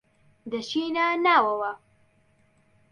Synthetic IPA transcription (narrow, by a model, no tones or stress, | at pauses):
d̪ɐʃiːnanaːwɐwɐ